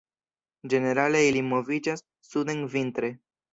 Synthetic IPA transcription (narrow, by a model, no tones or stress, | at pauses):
d͡ʒeneɾaleailimovid͡ʒas | sud̪eŋvint̪ɾe